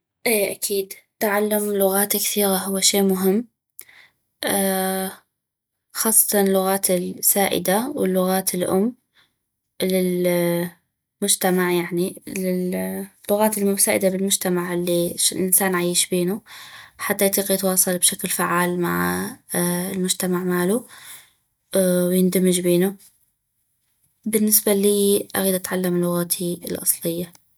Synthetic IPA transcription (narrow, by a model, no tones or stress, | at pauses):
ʔeːʔakʰiːd̪t̪ʕalːamlʊɣaːt̪kθiːɣaɦʊwːaʃeːmʊɦɪmː | ʔa | xɑːsˤːɑ̥t̪ɑnɪlːʊɣaːt̪ɪlsaːʔɪ̰d̪awɪlːʊɣaːt̪ʰɪlʔʊ̰mː | lɪl | mʊd͡ʒt̪amaʕjaʕnilɪlːʊɣaːt̪ɪlmʊmsaːʔɪd̪abɪlmʊd͡ʒt̪amaʕʔɪlːiɪlʔɪnsaːnʕajːɪʃbeːnuħat̪ːajt̪ˤiːqjɪt̪wɑːsˤɑlbʃaklfaʕːaːlma̰ʕ | ɪlmʊd͡ʒt̪amaʕmaːlu | wjɪnd̪amːɪd͡ʒbeːnu | bɪnːɪsbaliːʔa̰ɣiːd̪ʔat̪ʕalːamɪlːʊɣaːt̪ʰiɪlʔɑ̰sˤlɪjːa